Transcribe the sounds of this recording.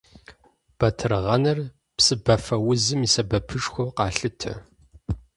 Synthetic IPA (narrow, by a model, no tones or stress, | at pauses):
b̥ɐtʰɨrʁɐnɐr | psɨbɐfɐwʊzɨmisɐbɐpʰɨʂxʷowqɑːɬɨtʰɐ̰